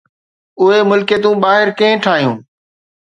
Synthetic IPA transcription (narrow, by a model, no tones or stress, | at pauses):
ʊɦemʊlkeːt̪̬ũːɓaːɦɪɾkẽːʈʰaːɦijũː